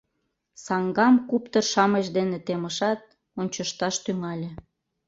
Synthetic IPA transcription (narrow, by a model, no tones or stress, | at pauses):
sɑŋɡɑmkupt̪ərʃɑmeʃd̪enet̪eməʃɑt̪̚ | onʲt͡ɕəʃt̪ɑʃt̪yŋɑlʲĕ